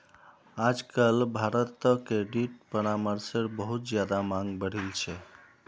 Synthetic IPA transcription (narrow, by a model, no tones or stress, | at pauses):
ad͡ʒkəlbʱaɾət̪ːkeɖiʈ̚pəɾaməɾsəɾbəɦut̪d͡ʒjad̪amaŋɡbəɽ̤ilt͡ʃʰɛ